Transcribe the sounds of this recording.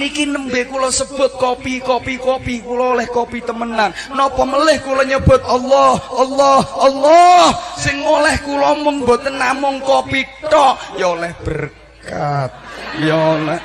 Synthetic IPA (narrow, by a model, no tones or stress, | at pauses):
nikinəmbekulɔsəb̥ʊ̤t̪̚kopikopikopikulɔlɛhkopit̪əmənannɔpɔməlɪhkulɔɲəb̥a̤t̪̚ɑlːɔhʔlːɔhɑlːɔhsɪŋmolɛhkulɔmʊŋbo̤t̪ənːamʊŋkopiʈɔʔjɔlɛhb̥ər | kat̪̚jɔlɛ